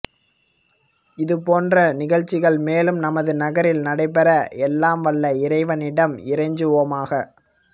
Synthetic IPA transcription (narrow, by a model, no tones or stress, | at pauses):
ɪðɯpoːndrɐnɪɣɐɭt͡ʃːɪɣɐɭmeːlɯmnɐmɐðɯnɐɣɐɾɪlnɐɽɐɪpːɛɾɐɛlːaːmʋɐɭːɐɪɾɐɪʋɐnɪɽɐmɪɾɐɪɲd͡ʒɯʋoːmaːɣɐ